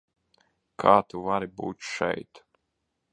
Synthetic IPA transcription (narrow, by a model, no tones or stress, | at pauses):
kʰaːt̪uvaɾibṵːt̪ʃɛ̰jt̪